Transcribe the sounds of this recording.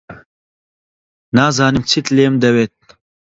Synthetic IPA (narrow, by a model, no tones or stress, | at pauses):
naːzaːnimt͡sʰit̪leːmd̪ɐweːt̪̚